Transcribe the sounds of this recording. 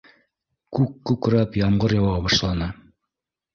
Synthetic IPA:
kʉkːʉkɾæpjɑmɢɤɾjɑwɑbɑʃlˠɑnɑ

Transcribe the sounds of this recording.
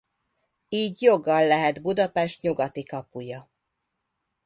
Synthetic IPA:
iːɟjo̞ɡːɒlːɛɦɛd̪bud̪ɒpɛʃt̪ɲuɡɒt̪ikɒpujɒ

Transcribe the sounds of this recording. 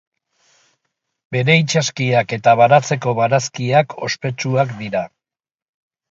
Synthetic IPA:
be̞ɾe̞it͡ʃaskiake̞t̪aβanat͡se̞ko̞βanaskiakʰo̞̰spe̞t͡ʃuakd̪iɾa

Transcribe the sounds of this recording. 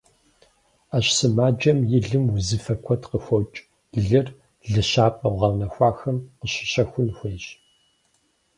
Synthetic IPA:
aːɕsɨmaːd͡ʒɐmjɪɮɨmwʊzɨfɐkʷʰɔtqəxʷɔt͡ʃʼ | ɮɨr | ɮɨɕaːpʼɐwʁɐwnɐxʷɑːxɐmqəɕɪ̥ɕɐxʷʊnxʷeːɕ

